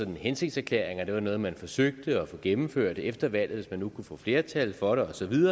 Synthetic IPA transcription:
ɒ̽d̥n̩hense̝ɡ̥̚d̥sæɐkʰlḛɐ̰eŋɐd̥e̝ʋɑ̈nɔ̽ːð̞̩ˠmænfɒ̽søɡ̥̚d̥əɒfɔ̰̽ɡ̥emm̩føɐ̰d̥efd̥ɐʋæl̰ðˠʋe̝smænːukʰufɔ̰ːfle̝ːɐt͡sʰælfɒ̽ɾ̥eɒ̽sɒ̽ʋiðˠɐ

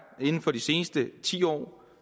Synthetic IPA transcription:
e̝nn̩fɒ̽d̥ise̝ːnəsd̥ət͡sʰḭːɒ̰ː

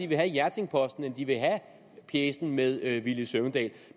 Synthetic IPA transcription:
iʋe̝ɦæjæɐt͡sʰe̝ŋpʰɒ̽sd̥n̩end̥iʋe̝ɦæ | pʰjeːsn̩með̞ˠʋiləsøʊnd̥ɛ̰ːl

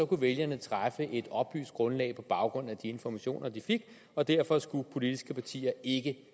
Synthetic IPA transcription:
sɒ̽kuʋeljɐnət͡sʰʁafəʔe̝d̥ɒ̽b̥y̰ːsd̥̚ɡ̥ʁɔ̽nlɛ̰ɪpʰɒ̽b̥ɑ̈ʊɡ̥ʁɔ̽n̰æd̥ie̝nfɒmæɕo̝̰ːnʔɐd̥ife̝ɡ̥ | ɒ̽d̥æɐ̰fɒ̽sɡ̥upʰo̝lid̥isɡ̥əpʰɑ̈t͡sʰḭːɐe̝ɡ̥ə

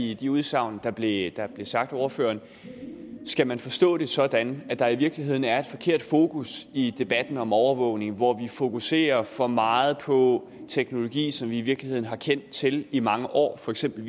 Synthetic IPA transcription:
id̥iuð̞ˠsɑ̈ʊ̰nəd̥ɑ̈b̥le̝d̥ɑ̈b̥le̝sɑ̈ɡ̥̚d̥ɒʊɐfø̰ːɐn | sɡ̥æmænfɒ̽sd̥ɔ̰̽ːɾ̥e̝sɒ̽d̥ænæd̥ɑ̈iʋiɐɡ̥liɦe̝ð̞̰ˠn̩æɐe̝d̥fɒ̽kʰe̝ɐ̰d̥fo̝ːkʰusid̥e̝b̥æd̥n̩ɒ̽mɒʊɐʋɔ̰ʊne̝ŋʋɒʋifo̝kʰuse̝̰ːɐfɒ̽mɑ̈ːð̞̩ˠpʰɒ̽ | t͡sʰeɡ̥no̝lo̝ɡ̥ḭːsɒ̽mʋiːʋiɐɡ̥lihe̝ð̰ˠn̩ɦɑ̈kʰen̰d̥t͡sʰe̝limɑ̈ŋəʔɒ̰ːfɒ̽eɡ̥sem̰b̥l̩

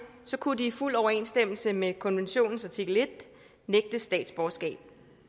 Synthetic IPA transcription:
sɒ̽kʰud̥iːful̰ɒʊɐe̝̰ːnsd̥em̰l̩səmekʰɒ̽nʋenɕo̝̰ːnn̩sæt͡sʰiɡ̥le̝d̥ | neɡ̥̚d̥əsd̥ɛ̰ːd̥sb̥ɒsɡ̥ɛ̰ːb̥̚

